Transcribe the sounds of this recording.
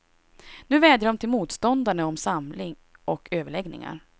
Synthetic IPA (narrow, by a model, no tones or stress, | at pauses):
nʉ̟ːvɛːd̪jəɖɔmt̪ʰɪlmuːt̪st̪ɔnd̪aɳəɔmsamlɪŋ | ʔɔkʰøːvəɭɛɡnɪ̰ŋa̰ɾ